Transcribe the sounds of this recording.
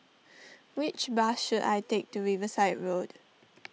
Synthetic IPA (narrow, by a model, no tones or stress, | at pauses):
wɪt͡ʃbasʃuda̰jtek̚tuɹivəsaɪt̚ɹod̥